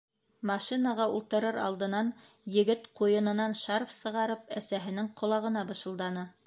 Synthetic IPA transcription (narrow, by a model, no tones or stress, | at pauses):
mɑʃinɑʁɑulˠt̪ɤ̆ɾɤɾɑ̰lˠd̪ɤ̆nɑn | jɘ̆ɡɘt̪qujɤ̆nɤ̆nɑnʃɑɾfsɤ̆ʁɑɾɤp̚æsæɦɘ̆nɘŋqʰŏlˠɑʁɤ̆nɑbɤ̆ʃɤ̆lˠd̪ɑnɤ